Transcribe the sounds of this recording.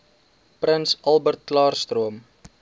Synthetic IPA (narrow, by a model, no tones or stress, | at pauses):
pɾənsɐlˠbərt̚ːlɑːrst̪ruəm